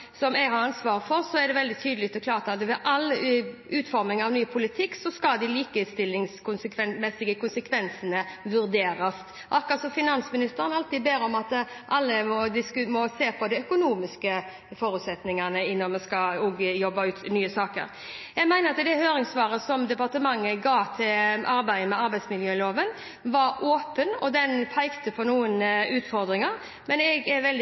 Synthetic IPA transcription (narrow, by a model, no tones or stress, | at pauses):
sɔmɛɡhɑɾɑnsʋɑːʁəfɔɾsɔɛɾd̪ɛʋɛld̪ɪt̪ʰyːd̪əlɪkt̪ɔklɑːʁt̪ɑt̪ʋɛʔɑlʉːt̪fɔɾmɪŋɑʋnyːpʰʊlɪt̪ʰɪkːsɔskɑd̪ɪliːkəɪst̪ɪlɪŋskʊnsəkʰʋɛnmɛsɪɡəkʊnsəkʰʋɛnsənəʋʉɾd̪eːɾɑs | ʔɑkːɑt̪sɔfɪnɑnsmɪnɪst̪əɾənɑlt̪iːd̪̚beːɾɔmɑt̪ | ʔɑlːəmɔd̪ɪskʉmɔseːpʰɔd̪ɛœkʊnuːmɪskə | fɔɾʉt̪sɛt̪nɪŋɑnəɪnːɔnmɛskɑuːɡəjɔbːɑʉːt̪nyːəsɑːkə̰ɾ | jæɪmæɪnəɾɑt̪d̪ɛhøːɾɪŋsʋɑːɾəsɔmd̪ɛpɑʁt̪əmɑŋːəɡɑːt̪ʰɪlʔɑɾbæɪəmɛɑɾbæɪd̪smɪljøːloːʋən | ʋɑɾoːpənɔ̰d̪ɛnfʰæɪkt̪əpʰɔnuːənʉːt̪fɔɾd̪ɾɪŋɑɾ | mɛnɛɡɛɾʋɛld̪